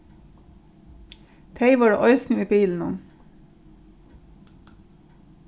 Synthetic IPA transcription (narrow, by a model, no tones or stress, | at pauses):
t̪ʰeɪʋɑːɹʔœʏsnʊiːbiːln̩ʊn